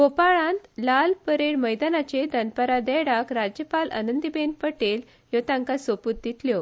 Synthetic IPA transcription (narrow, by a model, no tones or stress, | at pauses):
ɡopaɭãnt̪lalpəɾeɽməjd̪anat͡ɕed̪ənpəɾad̪ɛɽakɾad͡ʑjəpalʔə̰nənd̪ibend̪̚pəʈel | jot̪ãŋkasoput̪̚d̪it̪ljɔ